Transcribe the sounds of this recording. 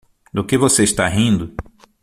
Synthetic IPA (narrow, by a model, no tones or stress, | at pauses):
d̪ʊkɪvoseɪst̪aɦĩnd̪ʊ